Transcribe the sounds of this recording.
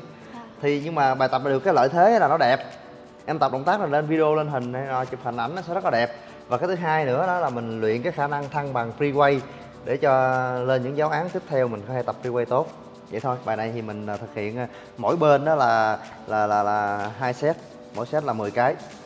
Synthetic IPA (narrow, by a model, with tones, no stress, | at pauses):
t̪ʰi˨˩ɲɨ˧ŋmaː˨˩ɓaː˨˩jt̪ə˨˩p̚ɗɨ˨˩əkːaː˨˦lə̰ː˧˨jt̪ʰe˨˦ɛ˨˦laː˨˩nɔ˨˦ɗɛ˨˩p̚ | ʔɛ˧mt̪ə˨˩p̚ɗə̰˧˨ŋ͡mt̪aː˦˥k̚ma˨˩le˧nvi˧ə˧o˧le˧nɦï˨˩ŋ̟a˧jɔ˨˩t͡ɕi˨˩pha̰˨˧˩ŋʔa˧˩jnɔ˨˦sɛ̰˧˥zə˦˥kɔ˨˦ɗɛ˨˩p̚ | vaː˨˩kaː˨˦jt̪ʰɨ˨˦ɦaː˧jnɨ̰˧˥əɗɔ˨˦laː˨˩mï˨˩ŋ̟lwḭ˧˨ənkaː˨˦jxaː˧˩na˧ŋt̪ʰa˧ŋɓa˨˩ŋpɾi˧kwə˧j | ɗe˧˩t͡ɕɔ˧le˧nɲɨ̰˧˥ŋzaː˨˦wʔaː˨˦ŋt̪i˦˥p̚t̪ʰɛ˧wmï˨˩ŋ̟kɔ˨˦he˧˩t̪a˨˩p̚ːɹi˧wə˧jt̪o˦˥t̚ | zə̰˧˨jt̪ʰo˧jɓaː˨˩jna˨˩jt̪ʰi˨˩mï˨˩ŋ̟ː˨˩t̪ʰɨ˨˩k̚hḭ˧˨ən˨˩ | mo̰˧˥jɓe˧nɗɔ˨˦laː˨˩ | laː˨˩laː˨˩laː˨˩ɦaː˧jsɛ˦˥t̚ | mo̰˧˥˨jsɛ˦˥t̚laː˨˩mɨ˨˩jkaː˨˦j